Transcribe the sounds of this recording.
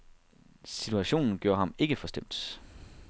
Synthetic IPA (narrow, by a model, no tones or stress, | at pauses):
sit͡sʰuæɕo̝̰ːnn̩ɡ̥jo̝ːɐɦhɑ̈me̝ɡ̥əfɒ̽sd̥em̰d̥